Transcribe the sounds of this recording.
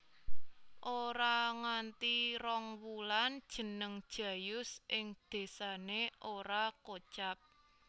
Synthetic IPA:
ʔoɾaŋant̪iɾɔŋwuland̥ʒ̥ə̤nəŋd̥ʒ̥ä̤jʊsʔɪŋd̪̥e̤saneʔoɾakot͡ʃap̚

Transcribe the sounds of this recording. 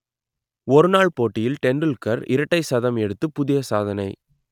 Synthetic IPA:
ɔɾɯnaːɭpoːʈːɪjɪlʈɛnrɯlkɐɾɪɾɐʈːɐɪsɐðɐmɛɽɯt̪ːɯpʊðɪjɐsaːðɐnɐɪ

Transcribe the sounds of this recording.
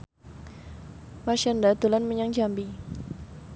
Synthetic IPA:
maʃandad̪ulanməɲaŋd͡ʒambi

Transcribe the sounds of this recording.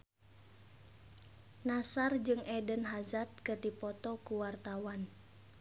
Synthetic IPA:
nasard͡ʒɨŋʔɛdənɦazard̪̚kɨrdipɔt̪ɔkuwart̪awan

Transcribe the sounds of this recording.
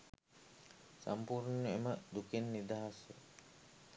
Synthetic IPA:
sa̰mpuɾnəeməʔd̪ukenːid̪aɦasə̰

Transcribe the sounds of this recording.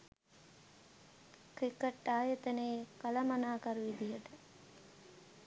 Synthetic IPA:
kɾikəʈːaːjət̪əneːkɐlɐmanaːkaɾuʋid̪ijəʈə

